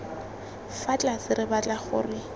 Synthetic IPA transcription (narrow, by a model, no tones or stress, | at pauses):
fat͡ɬʼasɪrɪbat͡ɬʼaχʊ̰rɪ